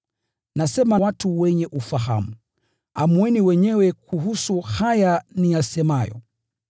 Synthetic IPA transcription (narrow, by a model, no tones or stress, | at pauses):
nasɛmawatuwɛɲɛʔufaɦa̰mu | amwɛniwɛɲɛwɛkʰuɦusuhajanijasɛmajɔ̰